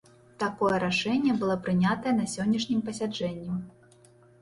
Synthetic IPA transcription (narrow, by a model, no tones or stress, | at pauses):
t̪akɔjɛɾaʂɛnʲːɛbɨlˠɔpɾɨnʲat̪ɐjɛnɐsʲɔnʲːɐʂnʲimpɐsʲad͡ʐɛnʲːi